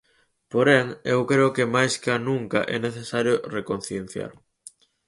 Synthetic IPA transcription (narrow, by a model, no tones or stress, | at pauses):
poɾɛŋewkɾeokemajskanũŋkɐ̰ʔɛneθesaɾjorekon̟θjen̟θja̰ɾ